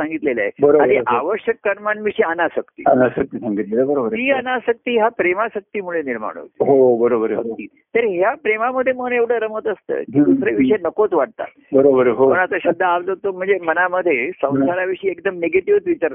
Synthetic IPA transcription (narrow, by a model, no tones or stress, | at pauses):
sãŋɡit̪lela̰ebəɾoãiʔaʋəɕjəkːəɾmanʋiɕiənasəkt̪ḭənasək̚t̪isãŋɡit̪leləbəɾobəɾiːənasək̚t̪iːɦapɾemaɕək̚t̪iːmuɭeniɾma̰ɽ̃o̰t̪ɦobəɾobəɾəkt̪iː | t̪əɾɦjapɾemaməd̪ʱːjeməneʋɽ̤əɾəmət̪əst̪ə̰ːkid̪usɾeʋiɕəjnəkot͡sʋaʈ̚t̪a̰t̪bəɾobəɾɦopəɳ̃at̪aɕəd̪ʱːəaʋlot̪om̤əɳd͡zemənaməd̪ʱːjesə̃wsaɭaʋiɕiːekd̪əmneɡeʈiʋt͡sʋit͡ɕəɾ